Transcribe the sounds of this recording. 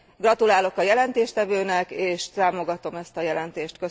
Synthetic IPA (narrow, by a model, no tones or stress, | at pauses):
ɡrɒt̪ulaːlo̞kɒjɛlɛnt̪eːʃt̪ɛvøːnɛkeːʃt̪aːmo̞ɡɒt̪o̞mɛst̪ɒjɛlɛnt̪eːʃt̪kø